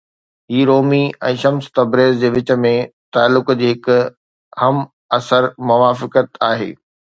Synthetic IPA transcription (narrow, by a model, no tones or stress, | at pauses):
ɦiːɾoːmiɛ̰̃ːʃɐmst̪ɐbɾeːzd͡ʑeːʋɪt͡ɕə̆mẽt̪aːlːʊkd͡ʑeːɦɪk | hɐm | ɐsəɾmʊʋaːfɪkət̪aːɦḛː